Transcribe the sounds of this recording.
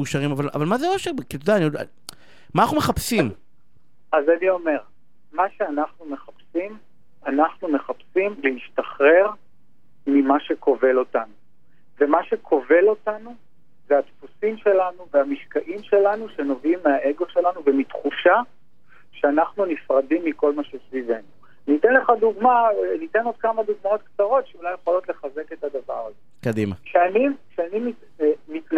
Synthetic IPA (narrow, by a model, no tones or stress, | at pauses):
uʃaʁimavalʔa̰valmazeaʃekit̪odaniod̰ | manaχnume̞χapsim | azanio̞me̞ʁ | maʃeanaχnume̞χapsim | anaχnume̞χapsimleiʃtaχʁe̞ʁ | mimaʃeko̞ve̞lo̞tanu | vemaʃekʰo̞ve̞lo̞tanu | zeat̪fusimʃe̞lanuveamiʃkaʔimʃe̞lanuʃe̞no̞vimːeaʔe̞ɡo̞ʃe̞lanuvemit̪χuʃa | ʃeanaχnunifʁadimːiko̞lmaʃesvive̞nu | nit̪e̞nleχad̪uɡmanit̪e̞nod̪̚kamad̪uɡmao̞t̪̚kt͡saʁo̞tʃeulajːeχalo̞t̪le̞χaze̞ket̪ad̪avaʁazekadimakʃeanikʃeanimi | mitn